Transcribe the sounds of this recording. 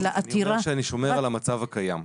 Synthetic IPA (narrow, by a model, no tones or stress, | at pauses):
laʔat̪iɾaʃeaniʃomeʁalamat͡savakajam